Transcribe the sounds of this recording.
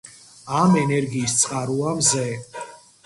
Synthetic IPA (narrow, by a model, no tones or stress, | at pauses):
amɛnɛɾɡiːst̪sʼqʼaɾuamzɛ